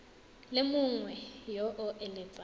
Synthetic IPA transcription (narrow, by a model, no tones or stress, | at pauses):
lɪmʊŋwɛjɔʔʊʔelɪːpʼa